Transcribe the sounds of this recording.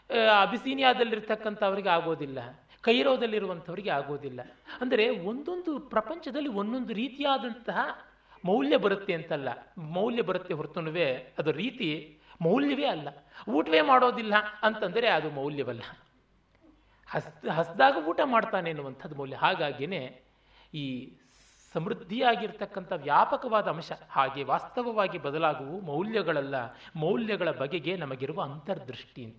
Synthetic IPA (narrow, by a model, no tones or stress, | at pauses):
ɐbʱisiːnijaːd̪ɐlːiɾt̪ʰɐkːɐnt̪ʰɐɐʋɐɾiɡeaːɡo̞ːd̪ilːɐ | kɐjɾoːd̪ɐlːiɾuʋɐnt̪ʰɐʋɐɾiɡeaːɡo̞ːd̪ilːɐɐnd̪ɐɾe̞o̞nd̪o̞nd̪upɾɐpɐɲt͡ʃɐd̪ɐlːio̞nd̪o̞nd̪uɾiːt̪ijaːd̪ɐnt̪ɐɦɐ | mɐwljɐbɐɾut̪ːe̞ɐnt̪ɐlːɐ̰mɐwljɐbɐɾut̪ːeɦoɾt̪unɐʋeɐd̪ɐɾiːt̪imɐwljɐʋe̞ːɐlːɐuːʈɐʋe̞ːmaːɽo̞ːd̪ilːɐɐnt̪ɐnd̪ɐɾe̞ɐd̪umɐwljɐʋɐlːɐ | hɐst̪ɦɐsd̪aːɡɐuːʈɐmaːɽt̪aːneɐnːuʋɐnt̪ʰɐd̪ːumɐwljɐɦaːɡaːɡine̞ | iː | sɐmɾud̪ʱːijaːɡiɾt̪ʰɐkːɐnt̪ʰɐʋjaːpɐkɐʋaːd̪ɐːmʃɐhaːɡe̞ʋaːst̪ɐʋɐʋaːɡibɐd̪ɐlaːɡuʋumɐwljɐɡɐɭɐlːɐmɐwljɐɡɐɭɐbɐɡeɡe̞nɐmɐɡiɾuʋɐːnt̪ɐɾɐd̪ɾuʂʈiɐnt̪ɐ